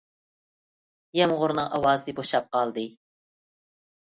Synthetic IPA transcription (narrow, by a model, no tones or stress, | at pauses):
jɛmʁʊɾnɨŋʔɑwɑːzɨd̪ɨboʃɑp̚qɑlˠd̪ɨ